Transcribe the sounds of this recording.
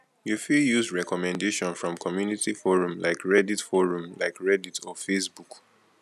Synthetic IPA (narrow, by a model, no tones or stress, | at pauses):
jufiljusɹɛkɔmɛ̃ndeʃɔ̃nfɹɔ̃mkʰɔmjunitifɔɹũmlaɪkɹɛditfɔɹũmla̰ɪkɹɛditʰɔfesbuk